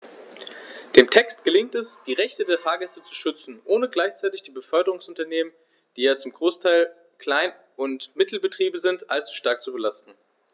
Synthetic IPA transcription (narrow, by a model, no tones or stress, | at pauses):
d̥eːmtʰɛkst̚ɡ̥əlɪŋk̚tɛsd̥iːʁɛçtədeːɐfaːɐɡɛstət͡su̥ʃʏt͡sn̩ʔoːnəɡlaɪçt͡saɪtɪçd̥iːbəfœɐdəʁ̞ʊŋsʊntɐneːmən | d̥iːjaːt͡sʊmɡʁoːstʰaɪl | kl̥aɪn | ʔʊntmɪtl̩bətʁ̥iːbəzɪntʔalt͡su̥ʃtaɐk̚t͡subəlastn̩